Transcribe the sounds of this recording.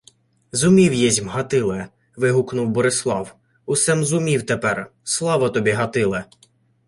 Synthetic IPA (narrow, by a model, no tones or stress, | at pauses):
zʊmʲiwjɛzʲmɦɐt̪ɪlˠɛ | ʋɪɦuknʊwbɔɾɪslˠɑw | ʊsɛmzʊmʲiwt̪epɛrslˠɑʋɐt̪ɔbʲiɦɐt̪ɪlˠɛ